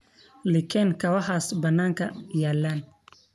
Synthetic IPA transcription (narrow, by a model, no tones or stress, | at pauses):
lɪkʰɛnkʰɐwɐħaːsbɐnːaːŋkʰɐjaːlaːn